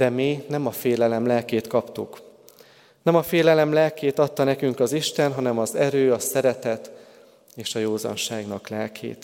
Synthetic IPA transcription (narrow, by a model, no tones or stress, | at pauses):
d̪̥ɛmiːnɛmɒfeːlɛlɛmlɛlkeːt̪kɒpt̪uk | nɛmɒfeːlɛlɛmlɛlkeːt̪ɒt̪ːɒnɛkyŋkɒziʃt̪ɛnɦɒnɛmɒzɛɾøːɒsɛɾɛt̪ɛt̪ | eːʃɒjoːzɒ̰nʃaːɡnɒklɛlkʰḛːt̪